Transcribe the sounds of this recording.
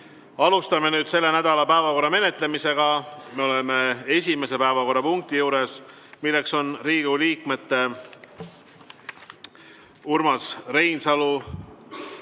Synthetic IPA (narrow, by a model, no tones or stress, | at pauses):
ɑlust̪ɑme̞nyːd̪se̞lːe̞næd̪̥ɑlɑpæevɑko̞rːɑme̞ne̞t̪ˑle̞mise̞ɡ̥ɑet̪meo̞le̞me̞e̞sʲime̞se̞pæevɑko̞rːɑpuŋk̚t̪ijuːɾe̞s | milːe̞kso̞nriːɡuliːkˑme̞t̪ːe̞ | urmɑsre̞jnsɑlu